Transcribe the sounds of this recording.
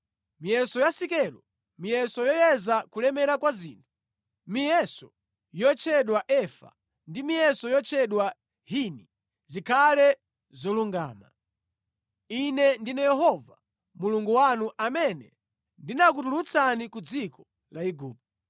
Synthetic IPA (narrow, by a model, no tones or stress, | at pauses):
mijɛsɔjasikɛɾɔ | mijɛsɔjɔjɛzakulɛmɛɾakwazḭːntʰu̥ | mijɛsɔ | jɔt͡ʃʰɛɗwaʔɛfa̰ | ndimijɛsɔjɔt͡ʃʰɛɗwa | hini | zikʰalɛ | zɔluŋɡa̰ːma | inɛndinajɛɦɔva | muluŋɡuwanuʔamɛnɛ | ndinak̬utulut͡sʰanikud͡zikɔ | laiɡuːp̚tɔ